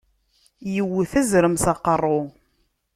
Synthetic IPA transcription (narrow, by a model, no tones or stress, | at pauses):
jəwːθæzɾəmsɑqːərˤːo